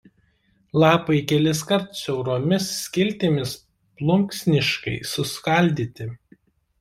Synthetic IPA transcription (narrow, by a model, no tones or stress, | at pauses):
lˠɑːpɐɪkʲɛlʲɪs̬kɐɾt̪ʊsʲɛʊɾoːmʲɪsːʲkʲɪlʲt̪ʲɪmʲɪs | plˠʊŋksʲnʲɪʃkɐ̰ɪsʊskɐlʲd̪ʲiːt̪ʲɪ